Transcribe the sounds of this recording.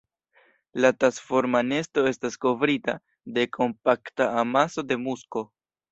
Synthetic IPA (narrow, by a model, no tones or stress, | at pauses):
latɾasfo̞ɾmane̞sto̞e̞stasko̞vɾita | de̞kʰo̞mpaktaːmaso̞de̞musko̞